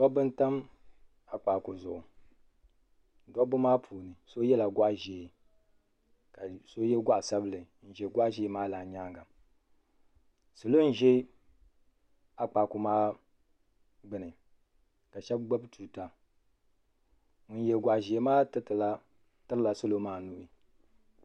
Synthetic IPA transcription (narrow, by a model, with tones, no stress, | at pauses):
dɔ˦bɨ˦nta˦m | a˨k͡pa˨kʊ˨zʊ˨ʔʊ˨ | dɔ˦bʊ˦maː˦pʰuː˨nɨ˨so˦jɛ˦la˨ɡʷa˦ʔʒe˨ | ka˨so˦jɛ˦ɡʷa˦ʔsa˦blɨ˨ | n̩˨ʒɛ˨ɡʷa˦ʒe˨˦maː˦laː˨ɲaː˦ŋɡa˨ | so˨lo˦n̩˦ʒɛ˦ | a˨k͡pa˨ku˨maː˦ | ɡ͡bɨ˨nɨ˨ | ka˨ʃɛ˦b̚ɡ͡ba˦btʰuː˨ta˨ | ŋʊ˨n˦jɛ˨ɡʷa˨ʔʒi˨e˨˦maː˦tɨ˦tɨ˨la˦ | tɨ˦ɾɨ˦la˨so˦lo˦maː˦˨nu˦ʔi˨